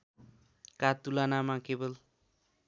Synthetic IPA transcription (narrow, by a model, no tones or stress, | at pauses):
kat̪ulanamakebʌl